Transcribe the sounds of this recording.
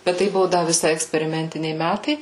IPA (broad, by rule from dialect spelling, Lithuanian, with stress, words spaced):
bʲɛt ˈtɐɪ ˈbʊʋoː ˈdɐ ʋʲɪˈsɐɪ ɛksʲpʲɛrʲɪˈmʲɛnʲtʲɪnʲɛɪ ˈmʲætɐɪ